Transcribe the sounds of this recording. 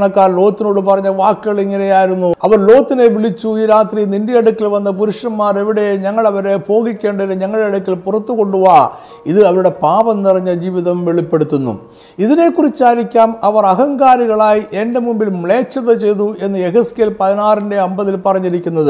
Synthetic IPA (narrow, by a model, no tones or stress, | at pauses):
ɳɐkːaːnlo̞ːt̪ːino̞ːɽɨpɐrɐɲːɐʋaːkːɨɣɐɭiŋːɐne̞jaːjiɾunːuɐʋɐrlo̞ːt̪ːine̞ʋiɭit͡ɕːuiːɾaːt̪rinindijɐɽukːilʋɐnːɐpuɾuʂɐnmaːre̞ʋiɽe̞ɲɐŋːɐɭɐʋɐɾe̞po̞ːɣikʲːe̞ːɳɖɐɾeɲɐŋːɐɭɽeɐɽukːilpurɐt̪ːuɣo̞ɳɖuɣa | iðɨɐʋɐɾuɽe̞paːʋɐnnirɐɲːɐd͡ʑiːʋiðɐmʋeɭipːe̞ɽut̪ːunːṵ | iðine̞kːurit͡ɕːaːɾikʲːaːmɐʋɐrɐɦɐŋɡaːɾiɣɐɭaːjiʔe̞nde̞mumbilmɭe̞ːt͡ɕːɐðɐt͡ɕe̞jðue̞nːɨe̞ɦɐskeːlpɐðinaːrinde̞ɐmbɐðilpɐrɐɲːiɾikʲːunːɐðɨ